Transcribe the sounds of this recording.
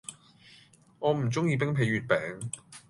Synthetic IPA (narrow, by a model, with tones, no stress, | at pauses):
ŋɔː˨˧m̩˨˩t͡sʊ˥ŋjiː˧p̬ɪ˥ŋpʰe˨˧jɥyː˨t̚pɛː˨˥ŋ